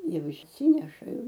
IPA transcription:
ˈjɛʊ ɪʃʲˈsʲiːnʲɛʃɐ ˈjɛʊ

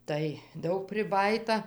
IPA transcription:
tɐɪ ˈdɐʊk pʲrʲɪˈbɑːjiːtɐ

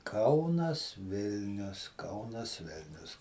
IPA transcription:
ˈkɐʊnɐs ˈʋʲɪlʲnʲʊs ˈkɐʊnɐs ˈʋʲɪlʲnʲʊs

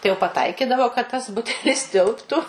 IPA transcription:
tɐɪ jɛʊ pɐˈtɐɪkʲɪdɐʋoː kɐt tɐs ˈbʊtʲɛlʲɪs ˈtʲɪlˠptʊ

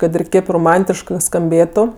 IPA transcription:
ˈkɐt ɪr ˈkʲeːp roːˈmɐnʲtʲɪʃkɜ skɐmʲˈbʲeːtʊ

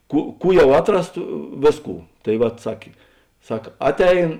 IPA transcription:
ˈkuː ˈkuː ˈjɛʊ ˈɑːtˌrɐs tɐ ˈʋʲeːˌskuː tɐɪ ˈʋɐt ˈsɑːkʲeː ˈsɐk ˈɑːtʲˌɛɪn

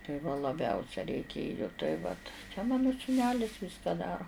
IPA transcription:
tɐɪ ʋɐ lˠɐˈbʲɛʊsʲɛ rʲɛɪˈkʲeːjʊ tɐɪ ˈʋɐt t͡ʃʲɛ ˈmɑːnʊ suːˈnʲæːlʲɪs ˈʋʲɪskɐ ˈdɑːroː

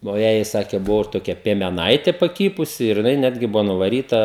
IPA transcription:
nʊ ˈjæːjɛɪ ˈsɑːkʲeː ˈbʊʋoː ɪr toːˈkʲɛ pʲiɛmʲɛˈnɐɪtʲeː pɐˈkʲiːpʊsʲɪ ɪr jɪˈnɐɪ ˈnʲæːdʲɡʲɪ ˈbʊʋoː nʊʋɐˈrʲiːtɐ

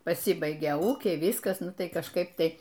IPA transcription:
pɐˈsʲɪbɐɪɡʲɛ ˈuːkʲɛɪ ˈʋʲiːskɐs ˈnʊ ˈtɐɪ kɐʃˈkɐɪp ˈtɐɪ

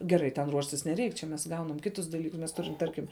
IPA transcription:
ɡʲɛˈrɐɪ tʲɛn ˈruɔʃʲtʲɪs nʲɛˈrʲɛɪk t͡ʃʲɛ mʲɛs ˈɡɐʊnɐm ˈkʲɪtʊs dɐˈlʲiːkʊs mʲɛs ˈtʊrʲɪm ˈtɐrʲkʲɪm

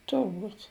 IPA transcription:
tʊrˈbuːtʲ

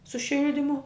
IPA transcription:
sʊ ˈʃʲɪlʲdʲɪmʊ

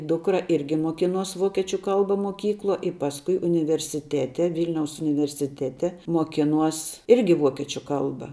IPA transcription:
ˈdʊkrɐ ˈɪrʲɡʲɪ muɔˈkʲɪnuɔs ˈʋoːkʲiɛt͡ʃʲʊ ˈkɐlˠbɐ moːˈkʲiːklˠuɔ ɪ ˈpɑːsˌkʊɪ ʊnʲɪʋʲɛrʲsʲɪˈtʲæːtʲɛ ˈʋʲiːlʲnʲɛʊs ʊnʲɪʋʲɛrʲsʲɪˈtʲæːtʲɛ muɔˈkʲɪnuɔs ˈɪrʲɡʲɪ ˈʋuɔkʲiɛt͡ʃʲʊ ˈkɐlˠbɐ

